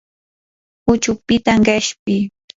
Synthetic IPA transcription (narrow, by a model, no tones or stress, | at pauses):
ʊt͡ʃʊpɪt̪aŋkaʃpɪ